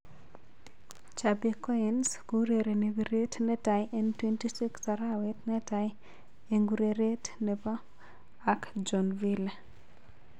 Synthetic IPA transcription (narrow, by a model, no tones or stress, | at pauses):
t͡ʃabekɔinskuɾeɾenewiɾetnɛtajʔɛntwentisiksaɾawɛtnɛtaj | eŋɡuɾeɾetnepa | akd͡ʒɔnvile